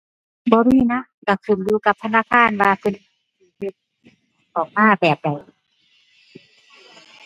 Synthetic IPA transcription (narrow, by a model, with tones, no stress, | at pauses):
bɔː˧˦ɾiː˧˩˨na˧˥ | ka˧˩su˨˩nluː˧˦ka˧˦p̚t̪ʰa˧˨naː˧˥˨kʰaː˧˥˨nwaː˧kʰɯ˧˨n˧ | i˧˩he˧˩t̪̚ | ʔɔː˨˩k̚maː˧˥˨bɛː˨˩p̚da˨˩j